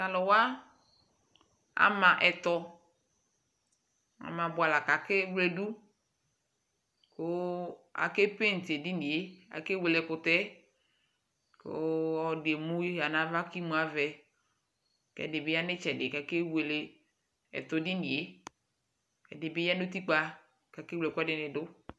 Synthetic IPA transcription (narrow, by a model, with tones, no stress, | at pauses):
a˨lɔ˨wa˦ | a̰˨mã˨ʔɛ˨t̪ɔ˨ | a̰˨mã˨bʊ˨a˨la˨ka˨kɪ˦wle˦du˦ | kʊ˦a̰˨ke˦pe˦n̩˨te˨dɪ˦ni˨e˦a̰˨ke˦we˨le˨kʊ˨t̪ɛ˦ | ko̰˦ɔ˦de˨mũ˦ja˨nã˨va˦ki˦mũ˨˦a˨vɛ˨ | kɛ̰˨dɪ˨be˦ja˦nɪ˦t͡ʃɛ˨dɪ˨ka˨ke˦we˨le˨ | ɛ̰˨t̪ɔ˨dɪ˦ni˨e˦ | ɛ̰˨dɪ˨be˦ja˦nʊ˦t̪i˦k͡pa˦ | ka˨ke˦wle˨kɛ˦dɪ˨nɪ˨dʊ˦